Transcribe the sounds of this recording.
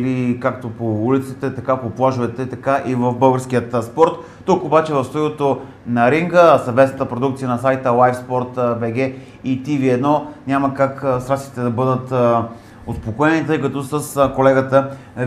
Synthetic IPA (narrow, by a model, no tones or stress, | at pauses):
likakt̪opoulit̪sit̪ɛt̪ɐkapoplˠaʒovɛt̪ɛt̪ɐkaʔivəvbɤlˠɡəɾskʲiət̪spɔɾt̪ːukobat͡ʃɛvɐfst̪oiot̪o | nɐɾiŋɡəsɐvmɛt̪snət̪əpɾod̪ukt̪siənɐsajt̪əlˠajfspɔɾt̪bɛɡ̟ɛ | it̪iviɛd̪nɔnʲaməkakəsɾasi̥t̪ɛd̪ɐbɤd̪ət̪ | ospokoɛnit̪ɤjkɐt̪ɔsəskolɛɡət̪ə